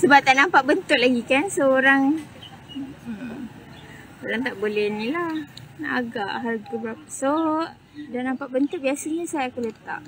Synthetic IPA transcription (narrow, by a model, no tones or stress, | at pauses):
səbap̚t̪aʔnampaʔbənt̪ʊʔ̚laɡikansəoɾaŋ | oɾaŋt̪aʔbolɛhnĩlaha̰ɡaʔɦalɡəbəɾapaso | danampaʔbənt̪ʊk̚biasaɲasajakulət̪a̰ʔ